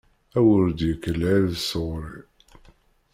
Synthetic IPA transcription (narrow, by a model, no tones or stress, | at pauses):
æwəɾd̪jəkːəlæɾðsəʁɾi